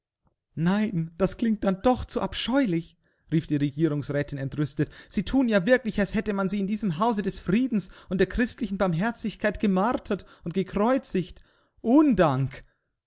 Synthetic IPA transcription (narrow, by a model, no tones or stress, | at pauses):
naɪnd̥askl̥ɪŋt̚d̥andɔχt͡suʔapʃɔʏlɪç | ʁiːfd̥iːʁeɡiːʁ̞ʊŋsʁɛːtʰɪnɛntʁʏstətz̥iːtʰuːnjaːvɪɐklɪçalshɛtəmanziːɪndiːzəmɦaʊzədɛsfʁ̥iːdn̩sʔʊntd̥eːɐkʁ̥ɪstlɪçn̩baɐmɦɛɐt͡sɪçkʰaɪtɡ̥əmaʁtʰɐtʊntɡ̥əkʁ̥ɔʏt͡sɪçt | ʔoːndaŋk